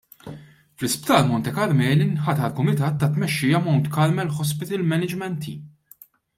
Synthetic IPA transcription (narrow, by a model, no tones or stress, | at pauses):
flɪspt̪ɐːlmɔnt̪ɛkɐɾmɛːlinħɐt̪ɐlkʊmɪt̪ɐːt̪ːɐt̪mɛʃːɪːjɐmɔnt̪kɐɾmɛlħɔspɪt̪ɪlmɛnɪd͡ʒmɛnt̪ḭ